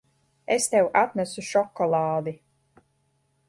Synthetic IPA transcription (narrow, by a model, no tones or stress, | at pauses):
est̪ɛwʔat̪næsuʃɔkːɔlˠaːd̪i